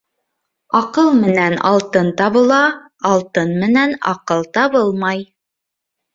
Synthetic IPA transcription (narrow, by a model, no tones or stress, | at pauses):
ɑqɤlˠmɘ̆nænɑ̰lˠt̪ɤnt̪ɑβɤ̆lˠɑː | lˠt̪ɤnmɘ̆nænɑ̰qɤlˠt̪ɑβɤlˠmɑj